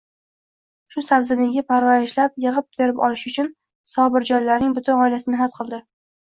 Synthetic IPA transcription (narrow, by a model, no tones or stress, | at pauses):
ʃʊsabzɪnɪɡʲɪpʰaɾvaɾɪʃlapjɨʁɨp̚d̪ʰeɾɪpɒ̰lɪʃʊt͡ʃʰʊn | sɒbɪɾd͡ʒɒjlaɾnɪŋbʊt̪ʰʊnɒɪlasɪnɪɦat̪qʰɨlˠd̪ɪ